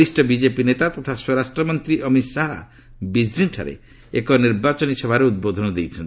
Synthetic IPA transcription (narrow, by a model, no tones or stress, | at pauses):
isʈɔbid͡ʒepinet̪at̪ɔt̪ʰaswɔɾasʈɾɔmɔnt̪ɾiʔəmit̪saɦa̰ | bizɾinʈʰa̰ɾḛ | ekɔniɾbat͡ʃɔnisɔbʱaɾeud̪̚bod̪ʱɔnɔd̪ejt͡ʃʰɔn